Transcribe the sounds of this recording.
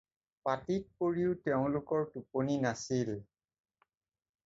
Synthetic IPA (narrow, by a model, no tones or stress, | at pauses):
patit̚koɹiʊtɛʊ̃lʊkɔɹtuponinasil